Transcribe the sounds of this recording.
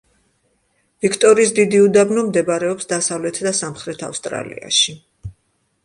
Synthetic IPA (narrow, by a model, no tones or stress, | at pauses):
vikʰt̪ʼɔɾiːsd̪id̪iud̪abnɔmd̪ɛbaɾɛɔpsd̪asavlɛt̪ʰd̪asamχɾɛt̪ʰa̰fst̪ʼɾa̰lḭa̰ʃi